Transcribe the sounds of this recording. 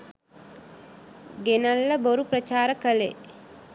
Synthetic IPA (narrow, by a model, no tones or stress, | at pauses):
ɡenalːəboɾuprət͡ʃaːɾəkəle